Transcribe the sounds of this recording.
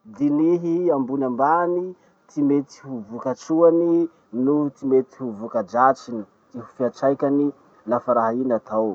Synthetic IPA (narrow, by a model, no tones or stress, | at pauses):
d̪iniɦiambunambani | t̪imet̪i̥huvukat͡ʃuani | nut̪imet̪i̥huvukad͡ʒat͡ʃini̥ | t̪iɦu̥fiat͡ʃajkʲani | nafaɾaɦainat̪ʰaw